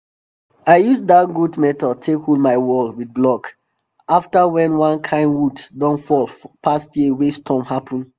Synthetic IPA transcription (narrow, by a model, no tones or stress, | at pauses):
aɪjusdatɡudmɛtɔtʰekolmaɪwɔlwid̚blɔk | aftawɛ̃nwãnkʰãɪ̃nwutdɔ̃nfɔlpʰastjiwestʰɔ̃mhapʰə̃n